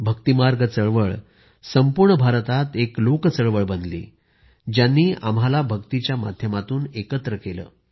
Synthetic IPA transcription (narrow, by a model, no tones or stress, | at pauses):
bʱəkt̪imaɾɡt͡səɭʋəɭ | səmpuɾɳəbʱaɾt̪at̪eklokt͡səɭʋəɭbənd̪lḭː | d͡ʑjanːiːʔa̰mɦalabʱəkt̪it͡ɕjama̰d̪ʱjəmat̪uːnekət̪ɾəkelə̰ː